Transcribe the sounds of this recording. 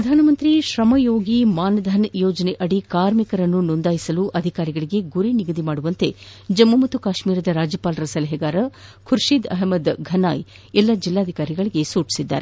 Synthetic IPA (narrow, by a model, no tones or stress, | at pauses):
pɾɐd̪ʱaːnɐmɐnt̪ɾiʃɾɐmɐjoːɡimaːnɐd̪ʱɐnjoːd͡ʒɐneʔɐɽikaːɾmikɐɾɐnːunond̪aːjisɐluʔɐd̪ʱikaːɾiɡɐɭiɡe̞ɡuɾiniɡɐd̪ʱimaːɽuʋɐnt̪e̞d͡ʒɐmːumɐt̪ukaːʃmiːɾɐd̪ɐɾaːd͡ʒjɐpaːlɐɾɐsɐlɐɦɛɡaːɾɐkʰuɾʂid̪ɐ̰ɦmɐd̪ɡʱɐna̰ːj | ɛlːɐd͡ʒilːaːd̪ʱikaːɾiɡɐɭiɡe̞suːʈi̥sid̪ːa̰ːɾe